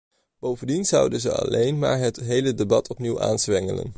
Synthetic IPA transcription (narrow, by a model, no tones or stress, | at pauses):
b̥owvəndinz̥ʌwdənzəɑ̰lejnma̰ːɹɦətɦejlədebɑtʰɔpniwʔa̰ːnzʋɛŋələ̰n